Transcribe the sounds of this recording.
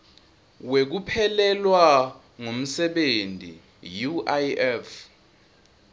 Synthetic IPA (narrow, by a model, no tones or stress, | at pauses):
wek̬upʰɛlɛlwa | ŋom̩sɛɓentʼḭ | juʔaɛf